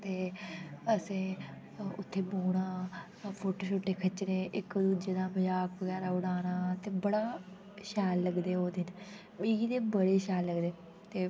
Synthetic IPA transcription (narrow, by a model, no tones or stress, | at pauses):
t̪eː | əsẽː | ʊt̪ʰːeːboːɽaː | pʰoːʈoːt͡ʃʰoːʈːeːkʰət͡ʃːnẽːʔɪkd̪uːd͡ʒeːd̪aːməd͡ʒaːkʋəɡɛːɾaːʊɽaːnaːt̪eːbəɽaː | ʃɛːlːəɡd̪eːoːd̪ɪn | biːɡiːd̪eːbəɽeːʃɛːlːəɡd̪eː | t̪eː